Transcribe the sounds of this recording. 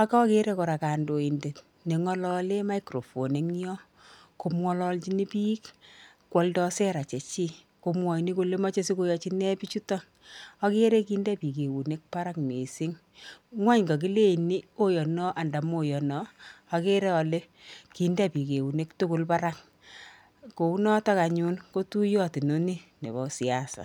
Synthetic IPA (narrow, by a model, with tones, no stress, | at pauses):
a˦kɔ˦ke˦ɾe˦ko˨ɾa˨ka˨ndo˨i˨nde˨t | ne˨ŋɔ˦lɔ˦le˦ma˦ikɾo˨fo˨ne˦ŋ˦ɔ˦ | ko˨mwɔ˦lɔ˦lt͡ʃi˦ni˦pi˦k | kːwɔ˨ldɔ˦se˦ɾa˨t͡ʃe˨t͡ʃi˦ | ko˨mwɔ˨i˨ni˦ko˨le˦ma˦t͡ʃe˦si˦ko˦jɔ˦t͡ʃi˦nɛ˦pi˦t͡ʃu˦tɔ˦ | ɔ˦ke˦ɾe˦kiː˦nda˦pi˨ke˨wu˨ne˦k̚pa˦ɾa˦kme˨si˦ŋ | ŋwa˦ɲɡɔ˨k̬i˦le˦˨ni˦o˦jɔ˨nɔ˦ʔa˨nda˨mo˨jɔ˨nɔ˦a˨ke˦ɾɛ˦ɔ˨le˦ | ki˨nda˦pi˨ke˨wu˨ne˦ktu˦ko˦lpa˦ɾa˦k̚ | ko˨u˦nɔ˦ta˦ka˨ɲu˦nko˦tu˦jɔ˦ti˨no˦ni˦nḛ˨bɔ˨si˨a˦sa̰˨